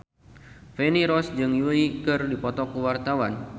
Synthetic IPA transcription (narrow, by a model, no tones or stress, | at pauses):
fɛniɾɔsd͡ʒɨŋjulikɨrdipɔt̪ɔkuwart̪awan